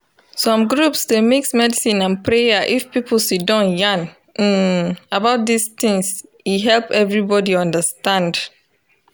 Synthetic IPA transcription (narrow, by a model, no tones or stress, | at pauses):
sɔ̃mɡɹupsdemeksmɛdisĩnãnpʰɾejaʔifpipl̩sidɔ̃njãn̩ | abaʊt̚d̪ist̪ɪ̃ŋs | iɦɛlpɛvɹibɔdiɔ̃ndəstãnd